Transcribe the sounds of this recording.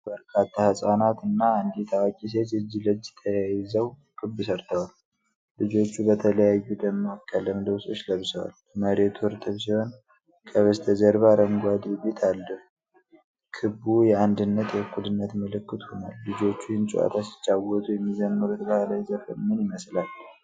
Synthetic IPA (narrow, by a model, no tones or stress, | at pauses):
bəɾkʰat̪ʰːahɨsʼanat̪ɨnːaɨnd̪et̪ʰawakʼis̬et̪ɨd͡ʒːilɨd͡ʒːɛt̪ʰːəjajɪzəw | kʰɨbːɨsəɾt̪ʰəwal | lɨd͡ʒo̞t͡ʃːubət̪ʰələjajːud̪əmːɨwkʼːjalːəmd̪əwso̞t͡ʃːləβsəwa̰l | məɾe̞t̪ʰuɨɾt̪ʼɨβsiho̞n | kʰəβəst̪ʰəd͡ʒəɾβaɾəŋɡʷad̪bet̪ʰalːəh | kʰɨbujɛand̪ɨnːət̪jɛhkʰːud̪ɨnːət̪mɨlɨkːɨt̪honalːɨd͡ʒo̞t͡ʃːuhɪnt͡ʃʼṵʔa̰t̪ʰasɪ̥t͡ʃːawɔt̪ʼujɛmːizənːuɾut̪ʼɡəhalajzəɾfəmːɨnjɪməslal